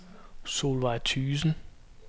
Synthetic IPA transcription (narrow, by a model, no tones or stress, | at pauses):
solʋɑɪt͡sʰyːsn̩